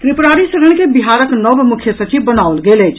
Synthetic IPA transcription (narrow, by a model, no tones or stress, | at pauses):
k̪ɾɪpɾaːɽisɐɾəɽ̃kebɪɦaːɾəknəbmʊkʰjəsɐt͡ʃiʋbɐnaʊlɡeːlet͡ʃ